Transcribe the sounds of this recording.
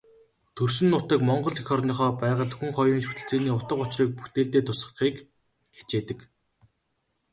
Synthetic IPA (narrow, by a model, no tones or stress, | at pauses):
t̪ʰɵrsɘ̆nːʊːt̪ə̆kmɔɴɢɞ̆ɮixɔrniːχɔːpæːʁə̆ɮxuŋχɔjriːnʃɵt̪ɘ̆ɬt͡seːniːʊt̪ə̆qʊt͡ɕriːk̚put̪eːɮt̪eːt̪ʰʊsə̆χχiːk | xe̥t͡ɕeːt̪ə̆k